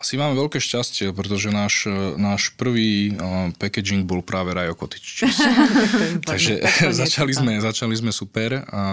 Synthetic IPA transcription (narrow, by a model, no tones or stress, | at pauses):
ḁsimaːmɛʋɛlkɛːʃcascɪɛpɾɛt̪ɔʒɛnaːʃnaːʃpr̩ʋiːpɛkɛd͡ʒiŋɡ̚bɔlpɾaːʋɛɾajɔkɔt̪i̥t͡ʃt͡ʃ | t̪aɡʒɛzat͡ʃalizmɛzat͡ʃalizmɛsupɛɾ